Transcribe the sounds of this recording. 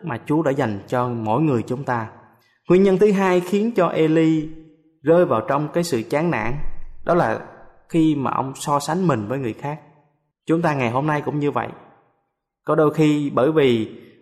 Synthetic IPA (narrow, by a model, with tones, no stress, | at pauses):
maː˨˩t͡ɕu˨˦ɗa̰ː˧˥za˨˩jŋ̟t͡ɕɔ˧mo̰˧˥˨jŋɨ˨˩əjt͡ɕʊ˨˦ŋ͡mt̪aː˧ | ŋwi˧əɲə˧nt̪ʰɨ˨˦ɦaː˧jxi˨˦ənt͡ɕɔ˧ʔe˧li˧ | zəː˧jvaː˨˩wt͡ɕɔ˧wŋ͡mkaː˨˦jsɨ̰˧˨t͡ɕaː˨˦ŋna̰ː˧˥nɗɔ˨˦laː˨˩ | xi˧ma̰ː˨˩ʔə̰˧wŋ͡msɔ˧sa˨˦ŋ̟mï˨˩ŋ̟vəː˨˦jŋɨ˨˩əjxaː˦˥k̚ | t͡ɕʊ˨˦ŋ͡mt̪aː˧ŋa˨˩jɦo˧mna˧jkʊ̰˧˥ŋ͡mɲɨ˧və̰˧˨jʔ | kɔ˨˦ɗo˧jxi˧ɓəː˧˩jvi˨˩